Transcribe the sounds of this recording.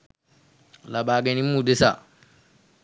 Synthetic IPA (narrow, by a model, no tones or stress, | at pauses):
labaːɡɛnimːudesa̰